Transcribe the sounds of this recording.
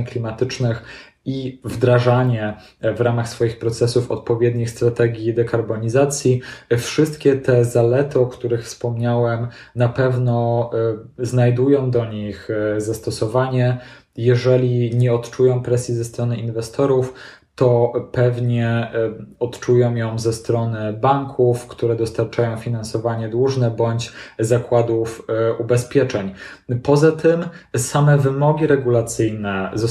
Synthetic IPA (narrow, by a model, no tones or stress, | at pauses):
klʲimat̪ɘt͡ʂnɘx | ivd̪ɾaʐaɲɛ | vɾamaxsfɔjixpɾɔt̪sɛsufɔ̰t̪̚pɔvʲjɛd̪ɲixst̪ɾat̪ɛɡʲid̪ɛkaɾbɔɲizat̪sʲjifʂɘst̪kʲɛt̪ɛzalɛt̪ɨɔkt̪uɾɘxfspɔmɲawɛm | napɛvnɔ | znajd̪ujɔ̃w̃d̪ɔɲixzast̪ɔsɔvaɲɛ | jɛʐɛlʲiɲɛɔt̪t͡ʂujɔ̃w̃pɾɛsʲjizɛst̪ɾɔnɘinvɛst̪ɔɾuf | t̪ɔpɛvɲɛ | ɔt̪t͡ʂujɔ̃w̃jɔ̃w̃zɛst̪ɾɔnɘbaŋkʰufkt̪uɾɛd̪ɔst̪aɾt͡ʂajɔ̃w̃fʲinansɔvaɲɛd̪wuʐnɛbɔɲt͡ɕzakwad̪ufubɛspʲjɛt͡ʂɛɲ | pɔzat̪ʰɘmsamɛvɘmɔɡʲiɾɛɡulat̪sɘjnɛzɔ